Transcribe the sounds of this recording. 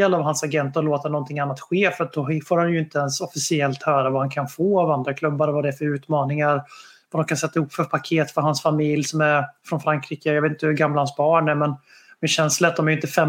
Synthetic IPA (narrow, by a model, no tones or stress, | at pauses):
ɛlavɦansaɡɛnt̪ɔloːt̪anɔnt̪ʰɪŋanːat̪ɧeːfət̪̚d̪ɔɦfoːɾhanjɵɪnt̪əɛnsɔfɪsɪɛlt̪hœːɾavahankʰanfoːavand̪ɾakʰlɵbːaɾvad̪ɛfœɾʉ̟ːt̪mɑːnɪŋaɾ | vad̪ɔmkʰansɛt̪ːaɪhʊpːfœɾpʰakʰeːt̪fœɾɦansfamɪljsɔmæɾfɾɔnfɾaŋkʰɾiːkəjɑveːt̪ɪnt̪əhʉɡamːlahansbɑːɳæmɛn | mɛɕɛnslət̪̚d̪ɔmæɾjʏɪnt̪əfɛ